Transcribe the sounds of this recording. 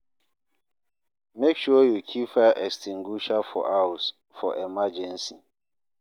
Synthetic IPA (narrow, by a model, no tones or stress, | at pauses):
mekʃuɔjukʰifaʔɛkstiŋɡuʃafɔ̰ʔaus | fɔ̰ʔemad͡ʒɛnsi